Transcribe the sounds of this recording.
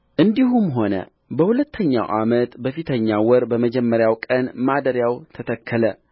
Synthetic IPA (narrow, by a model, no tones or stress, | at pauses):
ʔɨnd̪iɦumɦo̞nə̰ | bəhulət̪ʰːəɲːa̰wʔa̰mət̪bəfit̪ʰəɲːawɔɾbəməd͡ʒɛmːəɾjawkʼənmad̪əɾjawt̪ʰət̪ʰəkʰːələ